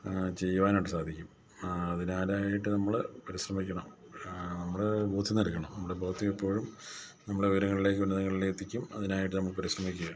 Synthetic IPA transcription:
t͡ɕe̞jːuʋaːnoʈːɨsaːd̪ʱikʲːum | ɐðinaːɾaːjiʈːɨnɐmːɐɭpɐɾiɕrɐmikʲːɐɳɐm | nɐmːɐɭboːd̪ʱːinɐlkːɐɳɐmnɐmːɐɽebʱoːt̪ʰːiʋipːo̞ːɻum | nɐmːɐɭɽeuʋɾɐŋːɐɭile̞k̬ːɨunːɐðɐŋːɐɭilet̪ːikʲːumɐðinaːjiʈːɨnɐmːɐɭpɐɾiɕrɐmikʲːuɣɐ

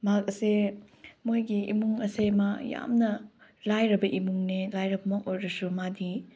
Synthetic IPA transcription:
makɐse | mojɡiḭmuŋɐsemaja̰mnɐlajɾɐbɐʔimuŋnelajɾɐbɐmak̚ojɾɐsumadi

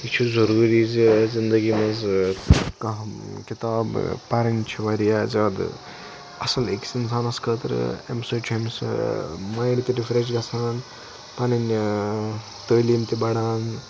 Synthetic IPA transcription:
it͡ʃʰuzɐɾuːɾizizind̪əɡimɐz | kɐɦkit̪aːbpɐɾɐnt͡ʃʰiʋɐɾijazɐːd̪̰ | ɐsɐleksinsʰaːnɐskət̪ɐɾ̰ḛmsɐːt͡ʃʰimsmaːjɳɖt̪iɾifʰɾeʃɡɐsʰaːn | pɐnɐn | t̪əːlimt̪ibɐɽaːn

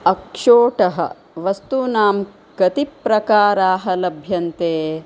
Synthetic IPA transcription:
ɐkʂoːʈɐɦɐ̰ | ʋɐst̪unaːm | ɡ̥ɐt̪ipɾɐkaːɾaːɦɐlɐbʱjɐnt̪eː

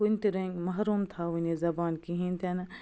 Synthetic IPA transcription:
ʊnt̪iɾɐ̃ŋɡmɐɦɾuːmt̪ʰaʋunezɐbaːnkiɦĩnt̪ʰenɐ

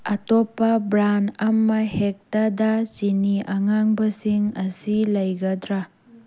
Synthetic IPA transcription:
ɐtɔpːɐbɾanɐmɐhek̚tadɐt͡ʃiniʔɐŋaŋbɐsiŋɐsilɐjɡɐdɾa

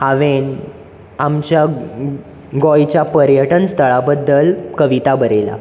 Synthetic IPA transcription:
haʋen | amt͡ɕja | ɡɔjt͡ɕjapəɾjəʈənst̪ʰəɭabəd̪ːəlkəʋit̪abəɾela̰

